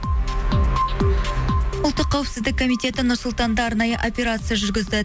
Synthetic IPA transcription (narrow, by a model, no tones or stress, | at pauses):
ʊlˠt̪ːəqʰːɑwɪpsɪzd̪ɪkʰːo̞mijt̪e̞t̪ɪnʊɾsʊlˠt̪ɑnd̪ɑːɾnɑjəʔo̞pʲe̞ɾat̪sɨjaʒʏɾɡʲɪzd̪ɪ